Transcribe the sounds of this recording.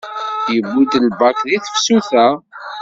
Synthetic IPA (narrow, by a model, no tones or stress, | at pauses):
jəbːud̪lbakðiθə̥fsuθæ